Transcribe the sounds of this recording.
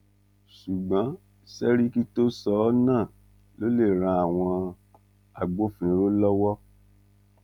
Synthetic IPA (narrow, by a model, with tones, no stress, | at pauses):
su˨ɡ͡bã˨˦ | sɛ˦ɾi˦ki˦to˦sɔ˨˦nãː˦˨ | lo˦le˦˨ɾ̃ã˧a˨w̃ɔ̃˧ | a˨ɡ͡bo˨˦fĩ˨ĩ˨˦ɾo˦lɔ˦wɔ˦